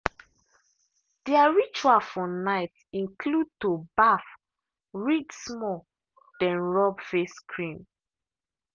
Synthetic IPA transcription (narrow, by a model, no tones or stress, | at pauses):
d̥iaɹit͡ʃuafɔnaɪt | ĩnkʰlud̚tobaf | ɹiksmɔ | d̥ɛ̃nɹɔbfeskʰɹĩm